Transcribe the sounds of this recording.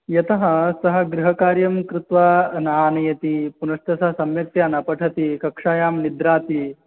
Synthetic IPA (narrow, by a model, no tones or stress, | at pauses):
jɐt̪ɐɦɐ̆sɐɦɐ̆ɡɾuɦɐkaːɾjɐmkɾut̪ʋanɐɦaːnɐjɐt̪ipunɐʂt̪ɐsɐɦɐsɐmjɐk̚t̪jaːnɐpɐʈʰɐt̪ikɐkʂaːjaːmnid̪ɾaːt̪i